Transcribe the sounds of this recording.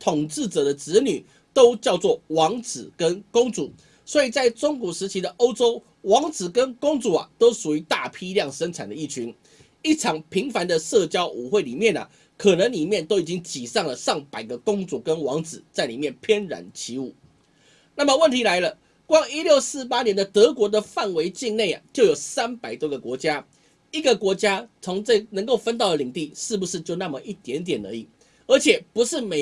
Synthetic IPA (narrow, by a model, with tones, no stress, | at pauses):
t̪ʰo˨˩ŋt͡sɻ̩˥˩t͡sɤ˨˩d̪ə˦t͡sɻ̩˧˥ny˨˩ | t̪o˥ʊt͡ɕjɑ˥˧ʊt͡swɔ˥˩wɑ˧˥ŋt͡sɹ̩˨˩kə˦nkʊ˥ŋt͡su˨˩˦ | swɔ˧˥i˨˩t͡sa˥˩ɪʈ͡ʂʊ˥ŋkwɔ˨˩ʂɻ̩˧˥t͡ɕʰi˧˥d̪ə˨ʔo˥ʊʈ͡ʂo˥ʊ | wɑ˧˥ŋt͡sɹ̩˨˩kə˦˥nkʊ˥ŋt͡su˨˩a̰˨t̪o˥ʊʂu˨˩y˧˥t̪a˥˩pʰi˥ljɑ˥˨ŋʂə˥ŋt͡sʰa˨˩nd̪ə˦i˥˩t͡ɕʰy˧˥˦n | i˥˩ʈ͡ʂʰɑ˨˩ŋpʰi˧˥ŋfa˧˥nd̪ə˨˧sɤ˥˧t͡ɕjɑ˥ʊʔu˨˩xwe˥˩ɪli˨˩mjɛ˥˨nə̰˩ | kʰɤ˨˩nə˧˦ŋli˨˩mjɛ˥˨nt̪o˥ʊi˨˩t͡ɕi˥ŋt͡ɕi˨˩ʂɑ˥˩ŋlə˩ʂɑ˥˩ŋpa˨˩ɪɡə˦kʊ˥ŋt͡su˨˩kə˦nwɑ˧˥ŋt͡sɹ̩˨˩t͡sa˥˩ɪli˨˩mjɛ˥˨npʰjɛ˥nɻa̰˨˩nt͡ɕʰi˧˥u˥˩ | na˥˩mə˨wə˥˩nt̪ʰi˧˥la˧˥ɪlə˧ | kwɑ˥ŋi˥ljo˥˧ʊsɹ̩˥˩pa˥njɛ˧˦nd̪ə˨t̪ɤ˧˥kwɔ˧˥d̪ə˨fa˥˩nwe˧˥ɪt͡ɕi˥˧nne˥˩ɪa̰˩t͡ɕjo˥˩jo˨˩ʊsa˦˥npa˨˩ɪt̪wɔ˥ɡə˨kwɔ˧˥t͡ɕja˦˥ | i˧˥ɡə˨kwɔ˧˥t͡ɕja˥t͡sʰo˧˥ŋt͡sə˥˧nə˧˥ŋko˥˩ʊfə˦nt̪ɑ˥˩ʊə˨˩li˨˩ŋt̪i˥˧ʂɻ̩˥˩bu˩ʂɻ̩˥˧t͡ɕjo˥˧ʊna˥˨˩mə˨˩ʔi˥˩t̪jɛ˧˥nt̪jɛ˨˩nə̰˧˦i˨˩ | ə˞˧˥t͡ɕʰjɛ˨˩pu˧˦ʂɻ̩˥˩me˨